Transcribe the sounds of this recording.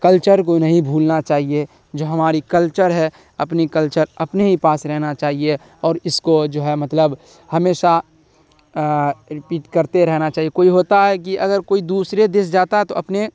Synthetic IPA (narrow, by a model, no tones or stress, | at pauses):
kəlt͡ʃəɾk̬onɐɦĩbʱuːlnat͡ʃaːɦie | d͡ʒoːɦɐmaːɾikəlt͡ʃəɾɦɛ | ɐpnikəlt͡ʃəɾɐpneɦipaːsɾɛɦnat͡ʃaːɦie | ɔːɾɪskod͡ʒoːɦɛmɐt̪ləb | hɐmeːʃa | ɾɪpiːʈkəɾt̪eɾɛɦnat͡ʃaːɦijekoːiɦoːt̪aɦɛk̬iʔɐɡəɾkoːid̪uːsɾed̪ɪsd͡ʒaːt̪aɦɛt̪oɐpne